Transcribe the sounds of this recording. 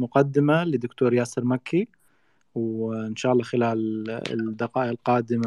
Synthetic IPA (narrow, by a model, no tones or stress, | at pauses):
mʊqad̪ːɪmalɪd̪ːʊkt̪oːɾjaːsɪɾmakʰːi | wɪnʃaːʔɑlːɑːxɪlaːl̰ | d̪ːɪqɑːʔʔɪlqɑːd̪ɪm